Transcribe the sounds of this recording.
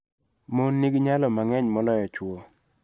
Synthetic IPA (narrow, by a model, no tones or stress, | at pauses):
monːiɡɲalɔmaŋɛɲmɔlɔjɔt͡ʃwo